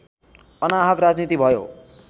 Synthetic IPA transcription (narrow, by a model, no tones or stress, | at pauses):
ʌnaɦʌkrad͡znit̪ibʱʌjo̰